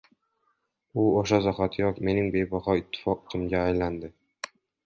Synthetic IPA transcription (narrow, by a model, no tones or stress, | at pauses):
ʊoʃazaχat̪ʰjɒkʲme̞nɪŋbe̞jbɒhɒɪt̪ʰːɪ̥fɒqɪt̪ʰɪmɡʲaːjland̪ɪ